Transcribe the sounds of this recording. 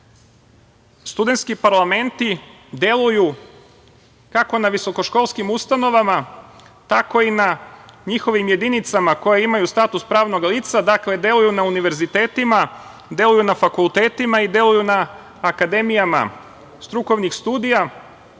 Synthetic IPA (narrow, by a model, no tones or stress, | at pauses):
st̪ud̪e̞nt̪skipaɾlˠame̞nt̪i | d̪je̞lˠuju | kako̞naʋiso̞ko̞ʃko̞ːlˠskimust̪ano̞ʋama | t̪ako̞inaɲixo̞ʋimje̞d̪init̪samako̞jeimajust̪at̪uspɾaːʋno̞ɡaliːt̪sad̪akle̞d̪je̞lˠujunauniʋe̞ɾzit̪e̞ːt̪ima | d̪je̞lujunafakulˠt̪e̞ːt̪imaid̪je̞lujunaː | kad̪e̞mijama̰ | st̪ɾuko̞ʋnixst̪uːd̪ija